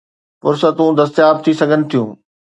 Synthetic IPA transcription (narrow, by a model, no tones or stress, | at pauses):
fʊɾsət̪ũd̪ɐst̪ijaːb̚t̪ʰisɐɡʱənɪ̆t̪ʰijũː